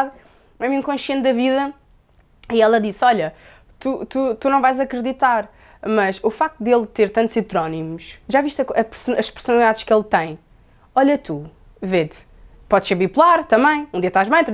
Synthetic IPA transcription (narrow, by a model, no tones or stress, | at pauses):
ð | ɛmĩkõʃiẽnd̪ɐviðɐ | iɛlˠɐðisɔʎɐ | t̪ut̪ut̪unɐ̃w̃vajzɐkɾɨðit̪aɾ | mɐʃufak̚t̪ud̪elˠt̪eɾt̪ɐ̃nt̪z̥it̪ɾɔnimuʃʒaviʃt̪ɐkɐpɨɾsunɐʃpɨɾsunɐlˠiðaðʃkelˠt̪ɐ̃j̃ | ɔʎɐt̪ʰu | vet̪ | pɔðʃeɾβipulˠaɾt̪ɐ̃mɐ̃j̃ũd̪iɐt̪aʒβɐ̃j̃t̪